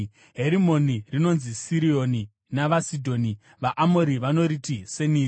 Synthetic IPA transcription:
ɦe̞ɾimo̞nirino̞nzisiɾio̞ni | naʋasidʱo̞ni | ʋaʔamo̞ɾiʋano̞ɾitise̞niː

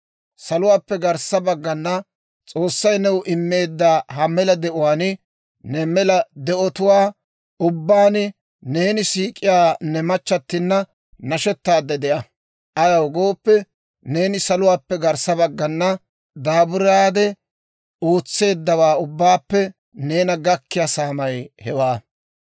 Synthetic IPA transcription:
sɐlʊwaːpːɛɡɐɾsɐbɐɡːɐnːɐ | t͡sʼo̞ːsːɐjnɛwʊʔɪmːe̞ːd̪ːaːɦɐmɛlɐd̪ɛʔʊwaːnɪ | nɛmɛlɐd̪ɛʔɔt̪ʊwaː | ʊbːaːnɪ | ne̞ːnɪsiːkʼɪjaːnɛmɐt͡ʃːɐt̪ːɪnːɐ | nɐʃɔt̪ːaːd̪ːɛd̪ɛʔɐ | ʔɐjɐwɡo̞ːpːɛ | ne̞ːnɪsɐlʊwaːpːɛɡɐɾsɐbɐɡːɐnːɐ | d̪aːbʊɾaːd̪ɛ | oːt͡sːe̞ːd̪ːɐwaːʊbːaːpːɛ | ne̞ːnɐɡɐkːɪjasaːmɐjhɛwaː

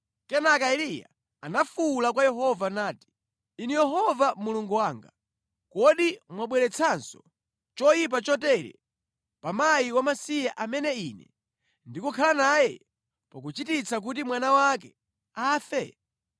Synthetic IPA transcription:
kɛnakailija̰ | anafulakwajɛɦɔvanaːti̥ | inijɛɦɔvamuluŋɡuwaːŋɡa | kɔɗimwaɓwɛɾɛt͡sʰansɔ | t͡ʃɔjip̬at͡ʃɔtɛɾɛ̰ | pamajiwamasijaʔamɛnɛinɛ̰ | ndikukʰalanajɛ | pak̬ut͡ʃitit͡sak̬ut̬imwanawakɛ | aːfɛ

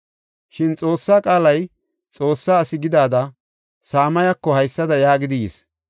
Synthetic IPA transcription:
ʃɪnt͡sʼo̞ːsːaːkʼaːlɐj | t͡sʼo̞ːsːaːsɪɡɪd̪aːd̪ɐ | saːmɐjɐkːɔhɐjsːɐd̪ɐjaːɡɪd̪ɪjḛs

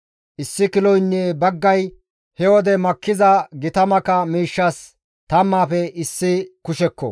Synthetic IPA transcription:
ʔɪsːɪkɪlɔjnːebɐɡːɐj | hɛwɔd̪ɛmɐkːɪzɐɡɪt̪ɐmɐkɐmiːʃːɐs | t̪ɐmːaːfɛɪsːɪkʊʃɛkːɔ̰

